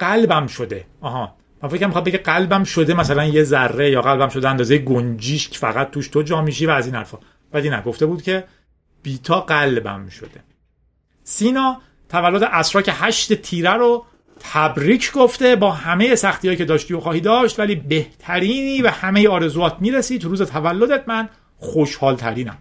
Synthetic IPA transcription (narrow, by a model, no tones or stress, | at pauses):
ɢælbæmʃo̞d̪e̞̰ɒːɦɒː | mænfekʰcæmixɑːd̪beɟæeɡælbæmʃo̞d̪emæsælænjezærːejɒːɣælbæmʃo̞d̪eænd̪ɒːzejeɡond͡ʒiːʃcʰfæ̰ɣæt̪̚tːuːʃt̪ʰod͡ʒɒːmiːʃiːvæːziːnhæ̰ɾfɒː | væliːnæ̰ɡo̞ft̪e̞buːd̪̥cʰe̞ | b̥iːt̪ʰɒːɢælbæ̰mʃo̞̰d̪e̞ | siːnɒː | t̪ʰævælːod̪e̞ʔæsɾɒːcʰehæʃt̪et̪ʰiːɾæɾo | t̪ʰæbɾiːcʰɡoft̪e̞bɒːhæme̞je̞sæxt̪ijɒːjiːcʰe̞d̪ɒːʃt̪iːoxɒːhiːd̪ɒːʃt̪væliːbe̞ht̪ʰæɾiːniːvæhæme̞jeɒːɾe̞zuɒːt̪ʰmiːɾesiːt̪ʰuɾuːze̞t̪ʰævælːod̪et̪̚mæn | xoʃhɒːlt̪ʰæɾiːnæ̰m